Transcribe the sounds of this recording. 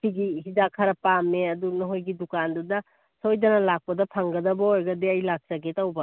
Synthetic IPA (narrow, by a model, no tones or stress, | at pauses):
siɡihidakʰɐɾɐpamːeɐdunɐɦojɡidukandudɐ | sojdɐnɐlak̚pɐdɐpʰaŋɡɐdɐbɐojɡɐdiɐjlak̚t͡ʃɐɡetawbɐ